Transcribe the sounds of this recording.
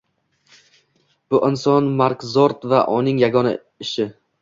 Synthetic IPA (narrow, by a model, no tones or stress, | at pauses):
b̥ʊʔɪnsɒnmaɾkzɒɾt̪vaʔʊnɪŋjaɡɒna̰ | ɪʃɪ